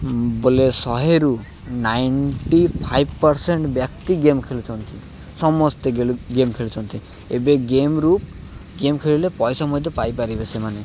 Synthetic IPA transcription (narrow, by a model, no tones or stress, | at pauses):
bolesɔɦeɾu | najɳʈipʰajbpɔɾseɳʈbjakt̪iɡemkʰelut͡ʃʰɔnt̪ʰi | sɔmɔst̪eɡeluɡemkʰelut͡ʃʰɔnt̪ʰi | ebeɡemɾup | ɡemkʰeɭilepɔjsɔmɔjd̪ʱɔpajpaɾibesemane